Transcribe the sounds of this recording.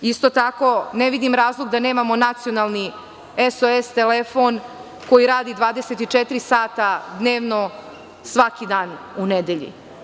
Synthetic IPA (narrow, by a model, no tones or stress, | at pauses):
ist̪ot̪ako̞neʋid̪imɾaːzlˠoɡd̪ane̞ːmamo̞nat̪sijonalˠni | esoest̪elefon | ko̞jiɾaːd̪id̪ʋaːd̪eset̪it͡ʂet̪iɾisaːt̪ad̪ne̞ːʋno̞ | sʋakid̪aːn | uned̪eʎḭ